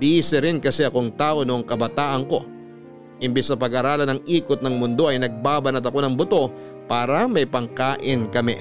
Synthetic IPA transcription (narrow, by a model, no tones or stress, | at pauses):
d̪iːsɛɾɪnkɐsɛʔɐkoŋt̪aːʔo̞noʔoŋkɐbɐt̪aːʔɐŋko̞ | ɪmbɛssɐpɐɡaɾaːlɐnɐŋʔiːkot̪̚nɐŋmʊnd̪o̞ʔɐjnɐɡ̚baːbɐnɐt̪ɐko̞nɐŋbʊt̪o̞ | paːɾɐmɐjpɐŋkaːʔɪnkɐmɛ̰